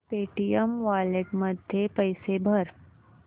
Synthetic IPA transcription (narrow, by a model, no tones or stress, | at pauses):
peʈijəmʋaleʈməd̪ʱjepəjsebʱəɾ